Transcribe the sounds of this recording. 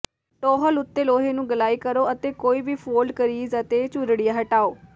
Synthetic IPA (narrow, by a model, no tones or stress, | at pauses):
ʈoːɦəlʊt̪ːeːloːɦeːnũːɡəlaːiːkəɾoːət̪eːkoːiːbiːpʰoːlɖkəɾiːzət̪eːt͡ʃʊɾɽijaːɦəʈaːoː